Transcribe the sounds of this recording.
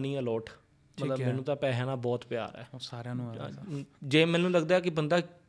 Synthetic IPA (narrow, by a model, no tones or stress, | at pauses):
nĩːɛːlɔːʈ | mət̪ləbmɛ̃ːnũːt̪ãːpɛːɦãːnãːbɔːt̪pja̰ːɾɛ̰ːsaːɾãːnṵ̃ː | d͡ʒeːmɛ̃ːnũːləɡd̪aːkɪbənd̪aː